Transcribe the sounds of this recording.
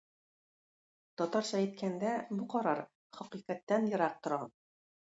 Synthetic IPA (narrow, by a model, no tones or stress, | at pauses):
t̪ɒt̪ɑɾɕɑjɘ̆t̪kænd̪æbuqɒɾɑɾ | χɒqiqæt̪ːænjɤ̆ɾɑq̚t̪ŏɾɑ